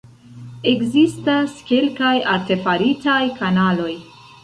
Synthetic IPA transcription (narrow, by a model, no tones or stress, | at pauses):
e̞ɡzistaske̞lkajaɾte̞faɾitajkanalo̞j